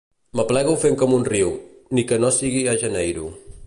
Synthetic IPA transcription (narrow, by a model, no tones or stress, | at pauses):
məplɛɣufeŋkɔmunriwnikənosiɣiaʒənɛjɾṵ